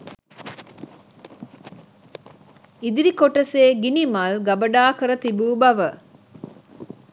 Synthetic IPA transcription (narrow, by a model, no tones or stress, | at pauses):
id̪iɾikoʈɐseːɡinimɐlɡɐbɐɖaːkəɾət̪ibuːbɐʋə